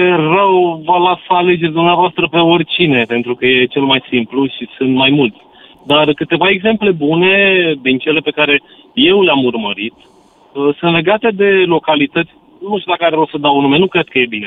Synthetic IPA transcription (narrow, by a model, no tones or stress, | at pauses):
jerəwvəlasale̞d͡ʒe̞rʲd̪umneavoast̪ɾəpe̞o̞rʲt͡ʃine̞pe̞nt̪ɾukəje̞t͡ʃe̞lmajsimpluʃisɨnt̪majmult̪sʲ | d̪arkɨt̪e̞vae̞ɡze̞mple̞bune̞d̪int͡ʃe̞le̞pe̞kaɾe̞ | je̞wleamurməɾit̪ | əsɨnt̪le̞ɡat̪e̞d̪e̞lo̞kalit̪ət̪sʲ | nunmuʃt̪ud̪akəaɾevɾewsəd̪awunume̞nukɾe̞d̪̚kəje̞bine